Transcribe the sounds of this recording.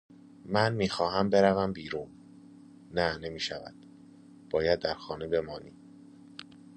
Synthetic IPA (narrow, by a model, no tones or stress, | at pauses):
mænmiːxɒːɦæmbe̞ɾævæmbiːɾuːn | næne̞miːʃævæ̰d̪̥̚ | b̥ɒːjæd̪ːæɾxɒːnebe̞mɒːnḭː